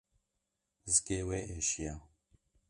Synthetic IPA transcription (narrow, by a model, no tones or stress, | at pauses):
zkeːweːeʃija